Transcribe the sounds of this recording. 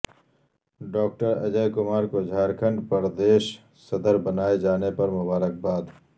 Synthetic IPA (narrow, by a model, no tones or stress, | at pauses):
ɖɔːk̚ʈəɾɐ̰d͡ʒəjkʊmaːɾkod͡ʒʱaːɾkʰə̃ɳɖpəɾd̪eːʃ | sɐd̪əɾbɐnaːed͡ʒaːnepɐɾmʊbaːɾək̚baːd̪